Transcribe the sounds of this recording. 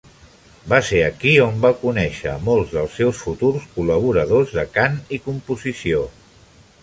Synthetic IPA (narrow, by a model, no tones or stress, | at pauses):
baseəkiombakunɛʃə̰molˠzðəlˠsːɛwsfut̪uɾskuləβ̞uɾəðozðəkanikumpuzisio